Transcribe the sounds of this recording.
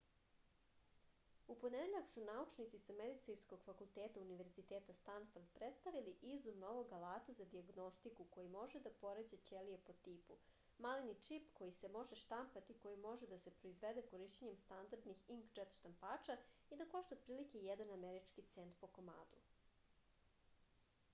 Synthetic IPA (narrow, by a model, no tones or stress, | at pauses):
uponed̪eʎaksunaut͡ʃnit̪sisameɾit̪sinsko̞ɡ̥fakulˠt̪eːt̪auniʋe̞ɾzit̪eːt̪ast̪anfoɾd̪pɾet̪st̪aʋiliʔizd̪umno̞ʋoɡalˠaːt̪azad̪iaɡno̞st̪ikuko̞jimo̞ʒed̪apo̞ɾed͡ʑet͡ɕelijepo̞t̪ipu | malinit͡ʂipko̞jisemo̞ʒeʃt̪ampat̪iko̞jimo̞ʒed̪ase̞pɾo̞izʋed̪ekoɾiʃt͡ɕeɲemst̪and̪aɾd̪nixiŋkd͡ʒet̪ʃt̪ampaːt͡ʃaid̪ako̞ʃt̪aot̪pɾiːlikejɛd̪anameɾit͡ʃkit̪sent̪po̞ko̞ma̰ːd̪u